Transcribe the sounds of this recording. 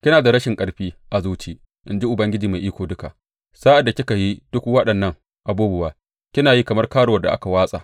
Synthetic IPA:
kʲɪ˦naː˨da˨ɾɐ˦ʃɪ˨ŋkʼɐ˨ɽɸiː˦ʔa˨zuː˦t͡ʃiː˦ | ʔɪ˨nd͡ʒi˦ʔʊ˨bɐ˦ŋɡʲɪ˦d͡ʒiː˨ma˨ʔiː˦kʷoː˨dʊ˦ka˨ | saː˦ʔa˨dːa˨kʲɪ˦ka˨ji˦d̥ʊ˦kwɐ˦ɗɐ˨nːɐ˦ŋ | ʔa˨buː˦bʊ˨waː˨ | kʲɪ˦naː˨ji˦kɐ˨mɐ˦rkaː˦ɽo˨wɐ˨da˨ʔa˦ka˨waː˦sʼa̰ː˨ʔ

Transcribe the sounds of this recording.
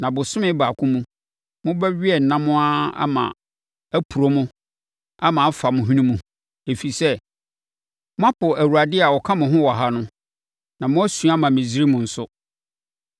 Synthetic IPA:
nã˨bʊ˨sʊ˦mɪ̃˦baː˨kʰʊ̃˦mũ˦ | mʊ̃˦bɛ˦ɥi˦ɛ˦˨n̩˨nã˦mʊ̃˦a˦a̰˦mã̰˨ | æ˦pʰu˨ɾo˦mʊ̃˦ | a˦mã˨˦fa˨mʊ̃˨ɦĩ˦nũ˦mũ˦ | e˨fi˨sɛ˦ | mʊ̃˦a˦pʊ˨æ˨wu˨a˨dɪ˦a˨wɔ˨kʰã˦mʊ̃˨ɦʊ̃˦wɔ˨ɦa˦nʊ̃˦ | nã˨mʊ̃˦æ˦sũ˨˦a˦mã˨mɪ̃˨d͡ʑi˦ɾi˦mʊ̃˨n̩˨sʊ˦

